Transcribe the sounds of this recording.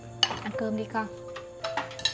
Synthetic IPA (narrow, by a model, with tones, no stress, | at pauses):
ʔa˧˩kɤː˧mdiː˧ka˧˩